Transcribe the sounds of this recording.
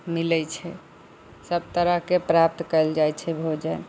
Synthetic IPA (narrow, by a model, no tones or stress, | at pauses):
milɛt͡ʃʰɛ | səb̚t̪əɾəɦkepɾap̚t̪kəld͡ʒajt͡ʃʰɛbʱod͡ʒɛn